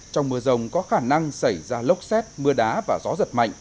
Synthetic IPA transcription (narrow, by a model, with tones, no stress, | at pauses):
t͡ɕɔ˧wŋ͡mmɨ˧əzə˨˩wŋ͡mkɔ˨˦xaː˧˩na˧ŋsa˧˩jzaː˧lə˦˥wk͡p̚sɛ˦˥t̚mɨ˧əɗaː˨˦vaː˨˩zɔ˨˦zə˨˩t̚ma̰˧˨jŋ̟